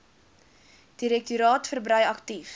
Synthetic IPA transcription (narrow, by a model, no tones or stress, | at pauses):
d̥iɾɛk̚tuɾɑːtfərbɾəjɐktif